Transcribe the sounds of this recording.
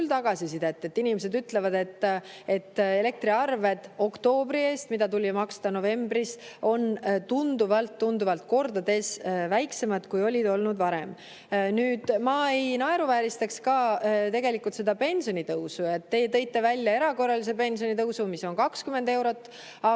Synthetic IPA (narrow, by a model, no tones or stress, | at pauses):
ylt̪ɑɡ̥ɑsisid̪e̞t̪ːe̞t̪ːinimese̞d̪yt̪ːˑle̞vɑd̪e̞t̪ːˑe̞t̪ːe̞le̞k̚t̪ɾiɑrve̞d̪̥o̞kt̪o̞ːbɾie̞ːst̪mid̪ɑt̪ulʲimɑkst̪ɑno̞ve̞mbriso̞nt̪und̪uvɑlt̪ːund̪uvɑlt̪̚ko̞rd̪ɑd̪e̞svæjkse̞mɑd̪̥kujo̞lʲid̪o̞lnud̪̥vɑɾem | nyːd̪̥mɑejnɑe̞ɾuvæːɾist̪ɑkskɑːt̪e̞ɡe̞likult̪se̞d̪̥ɑpe̞nʲsio̞nit̪ɤwsujɑt̪ːe̞jt̪ɤ̞jt̪ˑːe̞vælʲːjɑe̞ɾɑko̞rːɑlise̞pe̞nʲsijo̞nit̪ɤwsumisːo̞nkɑkskyme̞nd̪e̞wɾo̞t̪ː | ɑ